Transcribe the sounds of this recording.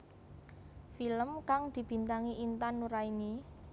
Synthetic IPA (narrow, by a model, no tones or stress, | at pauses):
filəmkaŋd̪̥i̤b̥i̤nt̪aŋiʔint̪anːuɾaini